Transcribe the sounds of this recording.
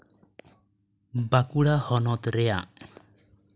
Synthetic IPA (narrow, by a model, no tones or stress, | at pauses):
bakuɽahɔnɔt̪ɾɛja̰